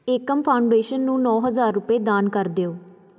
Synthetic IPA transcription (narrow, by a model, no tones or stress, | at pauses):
eːkəmpʰaːʊɳɖeːʃənːũːnɔːɦəzaːɾːʊpeːd̪aːnkəɾd̪eːoː